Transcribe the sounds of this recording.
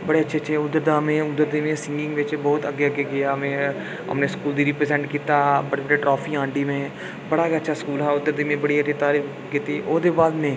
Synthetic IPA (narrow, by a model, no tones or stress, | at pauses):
bɐɽeɐtːʃʰeɐːt͡ʃʰeʊd̪əɾd̪aːmẽʊd̪əɾd̪imẽsɪ̃ŋɡɪ̃ŋɡʋeːt͡ʃbɔːʊt̪ɐɡːeɐɡeɡɐjamẽ | ɦɐ̰mnẽskuːld̪iɾɪpɾezɛ̃ɳʈkiːt̪abɐɽebəɽeʈɾɔːfiãːɳɖimẽ | bɐɽaɡaətːʃʰaskuːlɦaʊd̪əɾd̪imẽbɐɽiɐːʃʰit̪aːɾiː | kit̪iːʔoːd̪ebaːd̪mẽː